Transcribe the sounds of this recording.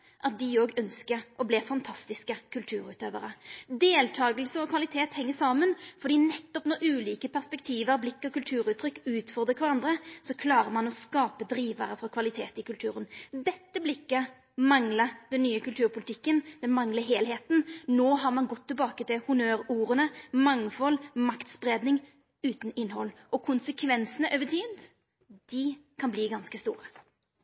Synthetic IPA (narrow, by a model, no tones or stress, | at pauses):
ʔɑt̪̚d̪ɪoːɡœnskəʔɔblɛfɑnt̪ʰɑst̪ɪskəkʰʉlt̪ʰʉːɾʉːt̪øːʋəɾəd̪eːlt̪ʰɑːɡəlsəɔkʰʋɑlɪt̪ʰeːt̪hɛŋːəsɑːmənfɔɾd̪iːnɛt̪ːɔpnɔɾʉːliːkəpæʁspɛkt̪ʰiːʋəɾblɪkːɔkʉlt̪ʰʉːɾʉːt̪ʰːɾʏkːʉːt̪fɔɾd̪ʁəkʰʋɑɾɑnd̪ɾəsɔkʰlɑːɾəɾmɑnɔskɑːpəd̪ɾiːʋəɾəfɾɑkʰʋɑlɪt̪ʰeːt̪ɪkʉlt̪ʰʉːɾənd̪ɛt̪ːəblɪkːə | mɑŋləɾd̪ɛnːyːəkʉlt̪ʰʉːʁɾpʊlɪt̪ɪkːənd̪̥ɛnmɑŋləɦeːlɦeːt̪n̩noːɦɑʁmɑnɡɔt̪ʰːɪlbɑːkət̪ɪlhʊmøːɾuːɾənəmɑŋfɔlmɑkt̪sbɾeːd̪nɪŋ | ʉːt̪nɪnːhɔlːʔɔkʰʊnsəkʰʋɛnsənəʔøːʋət̪ʰiːd̪ | d̪̥ɪkʰɑnbliːɡɑnskəst̪ṵːʁə